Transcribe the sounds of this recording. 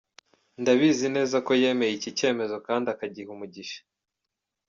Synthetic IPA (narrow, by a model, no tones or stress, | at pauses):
ndaβiːzine̞ːzako̞je̞ːme̞jicice̞ːme̞zo̞kaːndiakaɟihumuɟiʃḁ